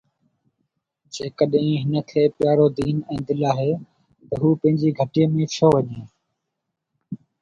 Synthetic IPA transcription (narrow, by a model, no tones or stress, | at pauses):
d͡ʒeːkəɗɦĩːɦɪnət̪ʰeːpjaːɾoːd̪iːnɛ̃ːd̪ɪlaːɦeː | t̪əɦuːpɐ̃ɦɪ̃ɲd͡ʑiːɡʱəʈijẽːmẽːt͡ɕʰoːʋəɲẽː